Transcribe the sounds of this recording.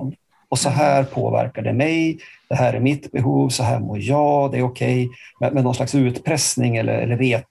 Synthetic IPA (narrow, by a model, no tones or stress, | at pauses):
ɔsɔɦæːɾpʰo̰ːvæ̰ɾkaɖɛmɛjd̪̥ɛhæːɾæɾmɪt̪bɛɦuːvsɔɦæːmoːjɑːd̪ɛæɾʊkʰɛjmɛmɛnːɔnslaksʉ̟ːt̪pʰɾɛsnɪŋɛlːə̰ɾɛ̰lːəɾɾeː